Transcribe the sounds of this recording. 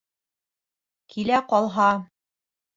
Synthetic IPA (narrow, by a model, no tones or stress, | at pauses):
kʰilæqɒlˠɦɑ